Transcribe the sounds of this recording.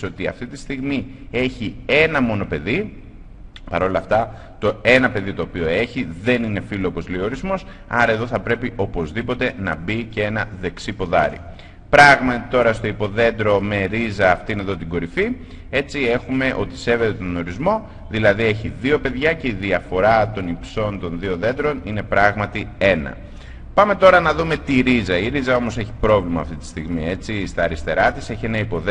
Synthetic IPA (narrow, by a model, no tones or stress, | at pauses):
o̞t̪iɐ̰ft̪it̪ist̪iɣmie̞çie̞nɐmo̞no̞pe̞ði | pɐɾo̞lɐːft̪ɐ | t̪o̞e̞nɐpe̞ðit̪o̞ːpio̞e̞çiðe̞nine̞filoopo̞zleio̞ɾizmo̞s | ɐɾɐe̞ðo̞θɐpɾe̞piʔo̞po̞zðipo̞t̪e̞nɐ̰bicee̞nɐðe̞ksipo̞ðɐ̰ɾḭ | pɾɐɣmɐt̪it̪o̞ɾɐst̪o̞ipo̞ðe̞nd̪ɾo̞me̞ɾizɐːft̪ineðo̞t̪iɡo̞ɾifi | e̞t͡sie̞xume̞ʔo̞t̪i̥se̞ve̞t̪et̪ono̞ɾizmo̞ | ðilɐðie̞çiðio̞pe̞ðʝɐce̞iðiɐfo̞ɾɐt̪o̞nipso̞nt̪o̞nðio̞ðe̞nd̪ɾo̞nine̞pɾɐɣmɐt̪ie̞nɐ̰ | pɐme̞t̪o̞ɾɐnɐðume̞t̪iɾizɐiɾizɐo̞mo̞se̞çi̥pɾo̞vlimɐːft̪it̪i̥st̪iɣmie̞t͡sist̪ɐːɾist̪e̞ɾɐt̪ise̞çie̞nɐipo̞ð